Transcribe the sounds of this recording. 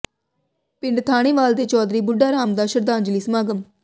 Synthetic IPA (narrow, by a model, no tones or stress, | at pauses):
pɪ̃ɳɖt̪ʰaːɽ̃eːʋaːld̪eːt͡ʃɔːd̪ɾiːbʊɖːaːɾaːmd̪aːʃəɾd̪aːnd͡ʒəliːsəmaːɡəm